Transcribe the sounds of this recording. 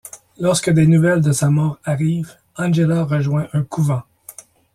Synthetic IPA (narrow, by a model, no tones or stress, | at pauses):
lɔʁskəd̪enuvɛld̪əsamɔːʁaʁiːv | ɑ̃nʒelaʁəʒwɛ̃ʔɛ̃kʰuvɑ̃